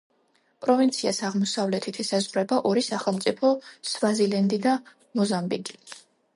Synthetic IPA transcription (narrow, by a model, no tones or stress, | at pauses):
pʼɾɔvint̪sʰiasaʁmɔsavlɛt̪ʰit̪ʰɛsazʁɾɛbaʔɔɾisaχɛlˠmt̪sʼipʰɔsvazilɛnd̪id̪a | mɔzambiɡʼi